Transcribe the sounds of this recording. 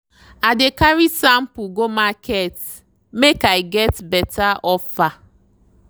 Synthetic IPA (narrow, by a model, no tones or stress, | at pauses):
adekaɹisãm̩puɡomakʰet | mekaɪɡɛtbɛtʰaʔɔfa